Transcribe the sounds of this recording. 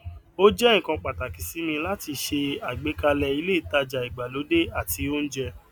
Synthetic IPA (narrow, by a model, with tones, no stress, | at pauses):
o˦d͡ʒɛ˦ĩ˨kã˧k͡pa˨ta˨ki˨si˨˦mĩ˧la˦ti˧ʃe˧a˨ɡ͡be˨˦ka˧lɛ˧i˧le˦i˨ta˧d͡ʒa˨i˨ɡ͡ba˨lo˨˦de˦a˦˨ti˧˦o˦n̩˦d͡ʒɛ˧